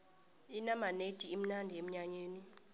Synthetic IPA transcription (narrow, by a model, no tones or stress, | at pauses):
inamanetʼiem̩nandʱiem̩ɲaɲeːni